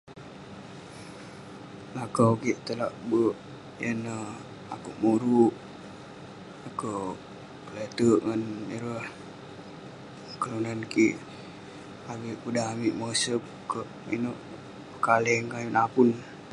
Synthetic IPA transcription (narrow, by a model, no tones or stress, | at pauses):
lakawkiʔt̪əlaʔbəʔ | jənə | a̰kuʔmuɾuʔ | akə | kəlet̪əʔŋaniɾəh | kəlunankiʔ | abiʔkudaamiʔməsəp̚ | kəʔmḭnoʔ | pəkalɛŋkajunapun